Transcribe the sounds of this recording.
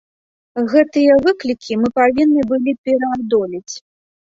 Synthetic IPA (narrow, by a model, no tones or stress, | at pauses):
ɣɛt̪ɨjɐvɨklʲikʲimɨpavʲinːɨbɨlʲipʲɛɾɐad̪ɔlʲit͡sʲ